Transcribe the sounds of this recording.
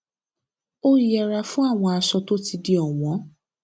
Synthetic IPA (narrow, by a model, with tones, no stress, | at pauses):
o˦i˨jɛ˧ɾa˧fũ˦a˦˨w̃ɔ̃˧a˧sɔ˧to˦ti˧di˧ɔ˨w̃ɔ̃˨˦